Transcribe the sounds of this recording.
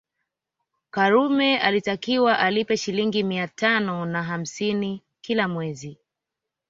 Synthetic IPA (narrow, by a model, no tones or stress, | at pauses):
kaɾumɛalitakiwaʔalipɛʃiliŋɡimiatanɔnaɦam̩sini | kilamwɛzi